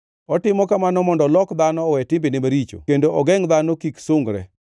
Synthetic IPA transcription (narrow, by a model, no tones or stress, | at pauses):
ɔtɪmɔkamanɔmɔndɔlɔkd̪anɔːwɛtɪmbɪnɪmaɾit͡ʃo̰kendoʔɔɡɛŋd̪anɔkiksoŋɡɾɛ̰